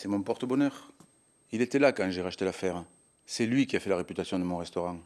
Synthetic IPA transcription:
sɛmɔ̃pɔʁt̪əbɔnœʁ | ilet̪ɛlakɑ̃ʒeʁaʃə̥t̪elafɛʁ | sɛlɥikʲiafɛlaʁepyt̪asjɔ̃d̪əmɔ̃ʁɛst̪oʁɑ̃

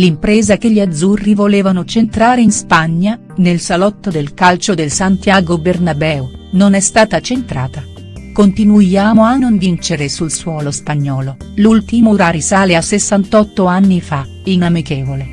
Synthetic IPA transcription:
limpɾɛːzakeʎːiad̪zurːivoleːvanot͡ʃent̪ɾaːɾeinspaɲːa | nelsalɔt̪ːod̪elkalt͡ʃod̪elsant̪jaːɡobernabɛːu | nonɛst̪aːt̪at͡ʃent̪ɾaːt̪a | kont̪inuaːmoanːonvint͡ʃeɾesulswɔːlospaɲːɔːlo | lult̪imuɾaːɾisaːleasːesːant̪ɔt̪ːoanːifa | inamikeːvole

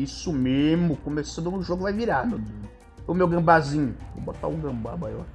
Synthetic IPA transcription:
isʊmezmʊkomesɐ̃d̪ʊʊʒoɡʊkɪvajviɾanʊ | ɛʊmewɡɐ̃bazĩɲʊvõ̰bot̪a̰ʊɡɐ̃ba̰baia̰

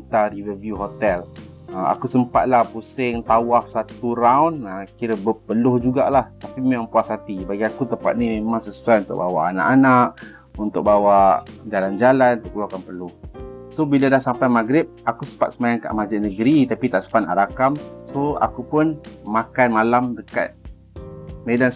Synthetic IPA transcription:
t̪aɾivərvjuɦot̪ɛl | əa̰kusəmpat̪̚lahpusɪŋt̪awafsat̪uɾawnəkiɾəbəpəlʊhd͡ʒuɡalaht̪apimemaŋpuasat̪ibaɡiakut̪əpa̰t̪̚nimemaŋsəsuajunt̪ʊ̰ʔ̚bawa̰ʔana̰ʔanaʔ | unt̪ʊk̚bawaʔd͡ʒaland͡ʒalanunt̪ʊkəluakanpərlʊhsobiladahsampajmaɡɾɪp̚akusəpa̰t̪̚səmajanka̰ʔmad͡ʒəʔnəɡɾit̪apit̪aʔsə̥pana̰ɾakamsoa̰kupʊnmakanmalamdəka̰t̪̚ | medan

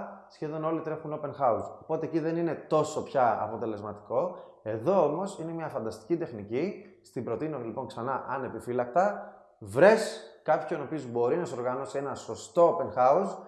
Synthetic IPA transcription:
sçe̞ðo̞no̞lit̪ɾe̞xuno̞pe̞nxɐusopo̞t̪e̞ːciðe̞nine̞t̪o̞so̞pçɐɐ̰po̞t̪e̞le̞zmɐt̪i̥ko̞ | e̞ðo̞omo̞sine̞mɲɐfɐnd̪ɐst̪i̥cit̪e̞xnicist̪ibɾo̞t̪inolipo̞ŋksɐnɐʔɐne̞pifilɐk̚t̪ɐ | vɾe̞skɐpçono̞pio̞zbo̞ɾinɐso̞ɾɣɐno̞sie̞nɐso̞st̪o̞ope̞nxɐus

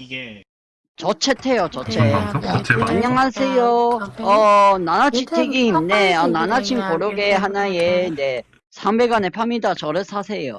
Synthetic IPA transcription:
t͡ɕʌt͡ɕʰetʰe̞jot͡ɕʌt͡ɕʰe | iɲaŋɦasʰe̞joʌnanat͡ɕʰitʰeɡimneʌnanat͡ɕʰimkoɾoɡe̞ɦanajede | sʰambe̞ɡanepʰamidat͡ɕʌɾɯsʰasʰe̞jo

